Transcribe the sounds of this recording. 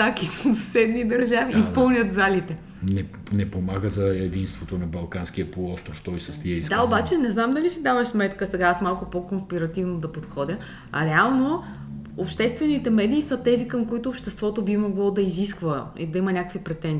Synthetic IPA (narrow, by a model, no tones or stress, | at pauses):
t̪akissɛd̪nid̪ɐɾʒaviipɤlˠnʲət̪zalit̪ɛ | nɛ | nɛpomaɡəzɐɛd̪inst̪vot̪onɐbɐlˠkansk̟iəɐpolˠɔst̪ɾoft̪ɔjsəst̪iɐid̪d̪aobat͡ʃɛnɛznamd̪ɐlisid̪avɐʃsmɛt̪kəsɛɡaasmalˠkʊpokonspiɾɐt̪ivnod̪ɐpot̪xɔd̪ʲə | ɐ̰ɾɛalˠno | opʃt̪ɛst̪vɛnit̪ɛmɛd̪iːsət̪ɛzikəmkoit̪oːpʃt̪ɛst̪vɔt̪obimoɡlˠɔd̪ɐiziskvəḭd̪ɐimɐnʲakəkvipɾɛt̪ɛn